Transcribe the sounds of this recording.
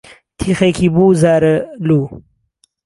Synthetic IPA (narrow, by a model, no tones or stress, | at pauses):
t̪ʰixekʰibuːzaːɾɐlu